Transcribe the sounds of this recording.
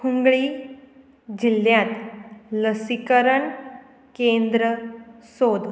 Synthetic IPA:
kuŋɡɭiː | d͡ʑilːjãt̪ləsikəɾəɳ | kẽnd̪ɾəsod̪

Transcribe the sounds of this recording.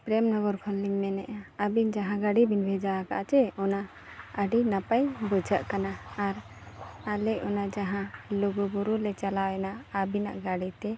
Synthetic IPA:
pɾɛmnɔ̃bɔɾkʰɔnliŋmɛnɛʔaabind͡ʒaɦãɡaɽibinbʱɛd͡ʒaakaʔat͡ʃɛɔna | əɖinapajbud͡ʒʱaʔkanaːɾ | alɛɔnad͡ʒaɦãluɡuɡuɾulɛt͡ʃalawɛnaːbina̰ʔɡaɽit̪ɛ

